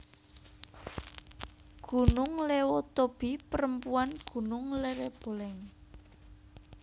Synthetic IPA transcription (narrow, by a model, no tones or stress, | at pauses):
ɡ̥ṳnʊŋlewot̪ob̥i̤pəɾəmpuanɡ̥ṳnʊŋleɾeb̥o̤lɛŋ